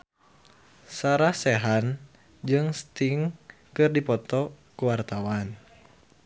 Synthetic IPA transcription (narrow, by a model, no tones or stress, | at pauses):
saɾahsɛɦan | d͡ʒɨŋst̪iŋ | kɨrdipɔt̪ɔ | kuwart̪awan